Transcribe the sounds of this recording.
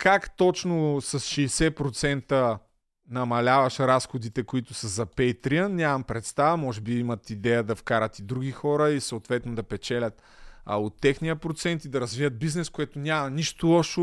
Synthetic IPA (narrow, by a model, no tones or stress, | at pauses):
kakt̪ɔt͡ʃnosɐsʃɛjsɛpɾot̪sɛnt̪ə | nɐmɐlʲavɐʃɾasxʊd̪it̪ɛkoit̪ʊsɐzɐpɛjt̪ɾiənnʲamɐmpɾɛt̪st̪avɐmɔʒɛbiimɐt̪id̪ɛjəd̪ɐfkaɾɐt̪id̪ɾuɡixɔɾəisəot̪vɛt̪nod̪ɐpɛt͡ʃɛlʲət̪ | ɐ̰ot̪ːɛxnijəpɾot̪sɛnt̪id̪ɐɾɐzviəd̪̚biznɛskʊɛt̪ʊnʲamɐniʃt̪ʊlˠɔʃʊ